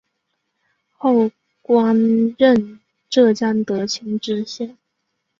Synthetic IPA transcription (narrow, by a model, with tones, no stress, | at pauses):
xo˥˩ʊ | kwa˥nɻə˥˧n | ʈ͡ʂɤ˥˧t͡ɕjɑ˥ŋd̪ə˨˩t͡ɕʰi˧˥ŋʈ͡ʂɻ̩˥˧ɕjɛ˥˩n